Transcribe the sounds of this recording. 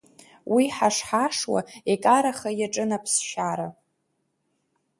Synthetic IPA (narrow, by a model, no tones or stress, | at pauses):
wiħaʂħaʂwa̰ekʼaɾaχajaʈ͡ʂʼɨnapʰsʃaɾa